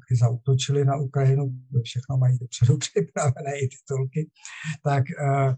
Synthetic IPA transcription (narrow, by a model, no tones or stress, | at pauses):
kɪzaut̪o̞t͡ʃɪlɪnaʔukɾajɪnuofʃɛxnomajiːdopr̥ɛdupr̥ɪpɾavɛnɛːɪt̪ɪ̥t̪olkɪ | t̪ak